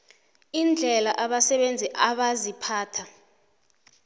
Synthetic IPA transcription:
ind͡ɮʱɛlaʔaɓasɛɓend͡zʱɛʔaɓazipʰaːtʰa

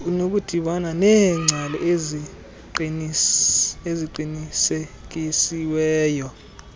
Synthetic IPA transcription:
nok̬ud̥ʱiɓananɛːŋ͡ǀʱalɛ̰ʔezi | eziǃinisek̬isiwɛːjɔ

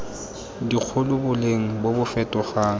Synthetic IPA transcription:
dik͡xʰʊlʊbʊleŋ̩bobʊfɛtʼɔχaːŋ̩

